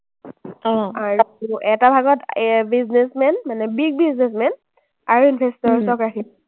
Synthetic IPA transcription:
ɔaɹuɛtabʱaɡɔtbiznesmɛnmanɛbiɡ̚biznesmɛn | aɹuinbʱestɔɹsɔkɹakʰi

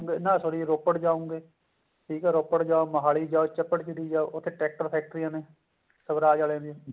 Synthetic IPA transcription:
ŋɡeːnãːsoːɽiːɾoːpəʈd͡ʒaːõːŋɡeː | ʈʰiːkɛːɾoːpəʈd͡ʒaːoməɦaːliːd͡ʒaːot͡ʃəpːəʈt͡ʃəd̪iːd͡ʒaːoʔʊt̪ʰːeːʈɛːk̚ʈəɾpʰɛːk̚ʈɾijãːneː | səbɾaːd͡ʒaːlẽːd̪iẽː

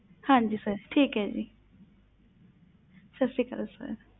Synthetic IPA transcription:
hãːnd͡ʒisəɾʈʰiːkɦɛːd͡ʒḭ | ʃɐsikɐɾəsə̰ɾ

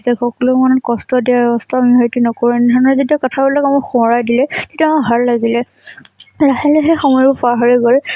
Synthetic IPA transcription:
tɛxɔkɔlʊmanɔtkɔstɔdiaɛbɔstʰamiɦɔjtunɔkoɹinɛdʱɔnɔɹɛzediakɔtʰabɔlɔkamɔxɔɹajdilɛtetiamʊɦaɹlaɡilɛ | laxɛlɛxexɔmɔjbɔpaɦɔɹiɡɔl

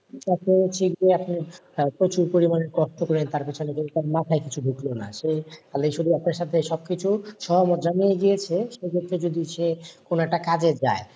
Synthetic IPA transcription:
aket͡ɕʰiɡeapnipɾot͡ɕuɾpoɾimaneɾkɔʃʈokɔɾent̪aɾpit͡ɕʰonekek̪aɾmat̪ʰaekit͡ɕʰubʱuklona̰ʃealejʃod̪iapnaɾʃat̪ʰeʃɔb̚kit͡ɕʰuʃɔɦomot̪d͡ʑanijeɡijet͡ɕʰeʃekʰet̪ʰːed͡ʑod̪iʃekonoɛk̚ʈakad͡ʑed͡ʑae

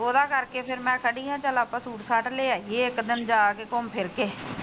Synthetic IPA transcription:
oːd̪aːkəɾkeːpʰɪɾmɛ̃ːkʰəɽiːãːt͡ʃəlaːpãːsuːʈsaːʈleːaːjeːɪkd̪ɪnd͡ʒaːkeːkɔːmpʰɪɾkeː

